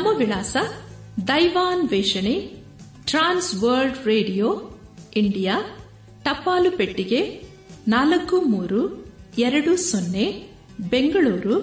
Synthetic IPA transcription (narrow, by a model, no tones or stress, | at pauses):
nɐmːɐʋiɭaːsɐ | d̪ɐjʋaːnʋeːʂɐɳe | ʈɾaːnsʋɐːɾlɖɾeːɖijoː | iɳɖijaː | ʈɐpːaːlupeʈːiɡe̞ | naːlɐkːumuːɾuɛɾɐɽusonːe | beŋɡɐɭuːɾu